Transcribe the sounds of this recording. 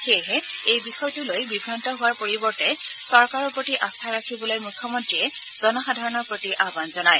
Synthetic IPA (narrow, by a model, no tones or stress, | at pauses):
xejɦɛejbixɔjtulojbibʱɹantɔɦʊwaɹpoɹibɔɹtɛsɔɹkaɹɔpɹotiʔast̪ʰaɹakʰibɔlojmukʰjɔmɔntɹiɛ | zɔnɔxadʱaɹɔnɔɹpɹotiʔabanzɔnaj